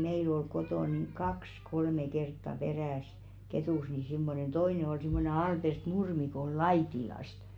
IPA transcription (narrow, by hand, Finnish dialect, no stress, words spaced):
meil ol kotoˑ niŋ kɑks kolme kertːɑ peræˑsi̥ ketuˑs ni simːonen toine ol simːone ɑlpert nurmi ko ol lɑitilɑst